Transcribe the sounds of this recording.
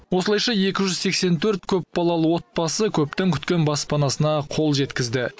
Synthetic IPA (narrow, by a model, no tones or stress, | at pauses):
wosəlˠɑjʃɑje̞kʲɪʒʏzse̞kse̞nt̪ʰɵɾt̪̚kʲʰɵpbɑlˠɑlˠəwo̞t̪̚pɑsəkʲʰɵp̚t̪ɪŋkʲʰʏ̥t̪kʲe̞nbɑspɑnɑsənɑqʰo̞lˠʒe̞t̪kʲɪzd̪ɪ